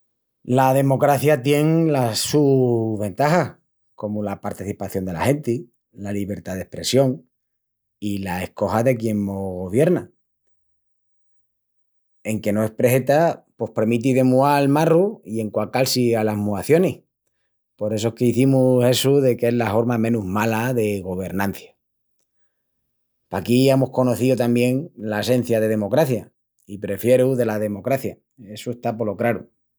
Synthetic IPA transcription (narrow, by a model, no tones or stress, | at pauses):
lað̞e̞mo̞kɾaθjat̪je̞ŋlasuβe̞nt̪axa | ko̞mulapaɾt̪iθipaθjo̞nd̪e̞la̰he̞nt̪i | laliβ̞e̞ɾt̪aðe̞hpɾe̞sjo̞ŋ | ilae̞hko̞haðe̞kje̞ŋmoɣo̞β̞je̞ɾna | e̞ŋke̞noe̞spɾe̞he̞t̪apo̞hpe̞ɾmit̪̬iðe̞mualmaruie̞ŋkwakalsialaɦmuaθjo̞neh | po̞ɾe̞s̬oehke̞iθimuse̞suðe̞ke̞zlaho̞ɾmamẽ̞nuɦmalaðe̞ɣ̞o̞β̞e̞ɾnãn̟θjḁ | pakiemohko̞no̞θiot̪ambje̞ŋlaese̞n̟θjaðe̞ðe̞mo̞kɾaθja | ipɾe̞fje̞ɾuðe̞lað̞e̞mo̞kɾaθja | e̞sue̞st̪apo̞lo̞kɾaɾu